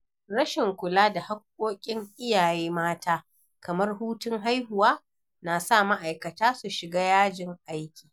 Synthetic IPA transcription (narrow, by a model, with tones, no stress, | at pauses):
ɽɐ˦ʃɪ˨ŋkʷʊ˨laː˦da˨ha˦k̚ʷʼːoː˦kʲʼɪ˦ŋʔɪ˦jaː˨jeː˦maː˦tʰaː˦ | kɐ˨mɐ˦rɦuː˦tʊ˦ŋɦa˦jɦʊ˨waː˦ | naː˨sa˦˨ma˦ʔa˨jkɐ˨taː˦su˨ʃɪ˨ɡaː˦jaː˦d͡ʒɪ˨ŋʔa˦jkʲi̥ː˨